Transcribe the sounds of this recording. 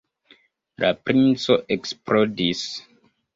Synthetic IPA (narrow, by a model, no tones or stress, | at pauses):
lapɾint͡soʔekspɾodis